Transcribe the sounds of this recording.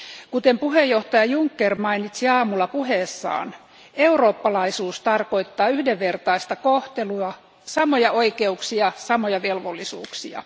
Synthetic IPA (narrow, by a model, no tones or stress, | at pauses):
kut̪empuɦejːo̞ht̪ɑjɑjuŋkːermɑinit̪siɑːmulːɑpuɦeːsːɑ̰ːn | euro̞ːpːɑlɑisuːst̪ɑrko̞it̪ːɑːyhdeʋːert̪ɑist̪ɑkoht̪eluɑ | sɑmojɑʔoikeuksiɑsɑmojɑʋelʋolːisuːksiɑ̰